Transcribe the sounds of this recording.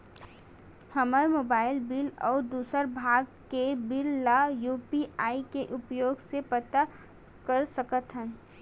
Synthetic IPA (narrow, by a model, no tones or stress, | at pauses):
həməɾmoːbaːɪlbɪlɔːɾd̪uːsəɾbʱaːɡkebɪlːajuːpiaːikeʔʊpjoːɡsepət̪a | kəɾsəkət̪ɦə̃n